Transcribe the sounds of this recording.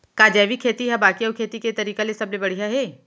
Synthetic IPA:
kaːd͡ʒɛːʋikʰeːt̪iɦɛbaːkiɐwkʰeːt̪iket̪ɐɾiːkalesɐblebɐɽ̤ijaɦɛː

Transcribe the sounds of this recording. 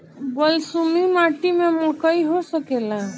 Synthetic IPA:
bəlsumimaʈimemɔkəiɦosəkela

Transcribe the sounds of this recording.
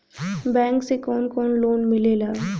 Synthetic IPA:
bɛ̃ːŋksekɔːnkɔːnloːnmɪleːlaː

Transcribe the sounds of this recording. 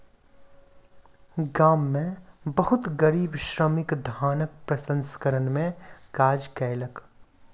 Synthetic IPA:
ɡaːmːẽbɐɦʊt̪ɡəɾiːbʃɾəmɪkd̪ʱaːnək̚pɾɐsə̃nsə̥kəɾənmẽkaːd͡ʒkɛːɪlək

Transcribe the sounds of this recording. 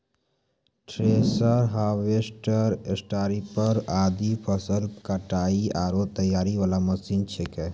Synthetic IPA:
ʈɾesəɾɦaːwesʈəɾesʈaːɾipəɾaːd̪ipʰəsəlkəʈaːiaːɾoːt̪ːəjaːɾiʋalaməsiːnt͡ʃʰekɛ

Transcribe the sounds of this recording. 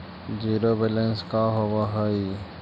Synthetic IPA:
d͡ʒiːɾoːbelənskaɦoʋaɦəi

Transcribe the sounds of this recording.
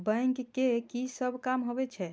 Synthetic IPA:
bə̃ŋkkːekisəbʱkamɦobɛt͡ʃʰɛ

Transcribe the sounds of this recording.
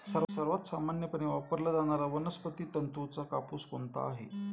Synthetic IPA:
səɾsəɾʋat̪samanjəpəɽeʋapəɾlad͡zaɽ̃aɾaʋənəspət̪iːt̪ənt̪ut͡sakapuːskoɳt̪a̰ːɦḛ

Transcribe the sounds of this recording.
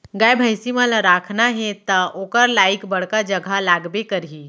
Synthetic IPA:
ɡajbʱəɪsimãlaɾaːkʰnaɦɛt̪ɐʔoːkəɾlaːɪkbɐɽ̤kad͡ʒɐɡʱalaːɡbekɐɾɦiː

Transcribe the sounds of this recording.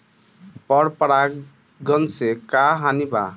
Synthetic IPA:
pʌɽpəɽa | ɡʌnsekaɦaniba̰

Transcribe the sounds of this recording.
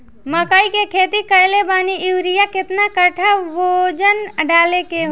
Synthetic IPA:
məkaːikekʰeːt̪ikəjlebaːniʔɪwɾijakɪt̪nakəʈʰaʋod͡ʒənəɖaːlekeɦ

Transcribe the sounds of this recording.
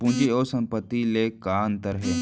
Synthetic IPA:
pũɲd͡ʒeoːsə̃mpət̪ːileːkaːnt̪əɾɦeː

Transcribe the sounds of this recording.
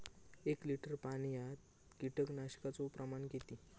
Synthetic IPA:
ekliʈəɾpaɽ̃ijat̪̚ | kiʈəknaɕkat͡sopɾəmaɳket̪i

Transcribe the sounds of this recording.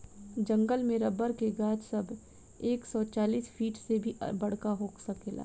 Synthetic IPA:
d͡ʒɐ̃ŋɡəlmẽɾɐbəɾkeɡaːd͡ʒsɐbʱ | eːksɔːt͡ʃaːliːsfʰiːʈsebʱḭbɐɽ̤kaɦoːksɐkeːla̰ː

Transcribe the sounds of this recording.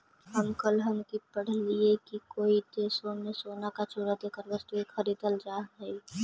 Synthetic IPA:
ɦəmkəlɦəmkipəɽ̤liekikoːit̪esoːnesoːnakat͡ʃuːɾad̪eːkəɾʋəst̪uekxəɾiːd̪əld͡ʒaːɐi

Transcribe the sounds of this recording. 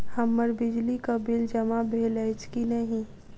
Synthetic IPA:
hɐmːəɾbɪd͡ʒlikabɪld͡ʒɐmabʱeːlɛːt͡ʃkinɐɦĩ

